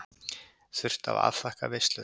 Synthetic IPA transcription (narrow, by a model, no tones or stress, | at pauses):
θʏr̥t̪a̰va̰ð̥fahkavest̪lʏ